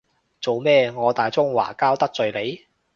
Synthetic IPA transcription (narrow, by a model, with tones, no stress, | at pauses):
t͡so˨wmɛː˥ŋɔː˨˧t̪aː˨jt͡sʊ˥ŋwa̰ː˨˩kaː˥wt̪ɐ˥k̚t͡sɵ˨ɥle˨˧j